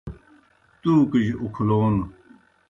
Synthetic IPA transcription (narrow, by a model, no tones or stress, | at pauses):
t̪uːkiʑukʰloːn